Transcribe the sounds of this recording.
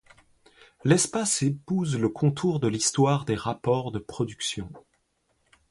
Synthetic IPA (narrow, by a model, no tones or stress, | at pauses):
lɛspasepuzləkʰɔ̃t̪ʰuʁd̪əlist̪waʁd̪eʁapɔʁd̪əpχɔd̪yksjɔ̃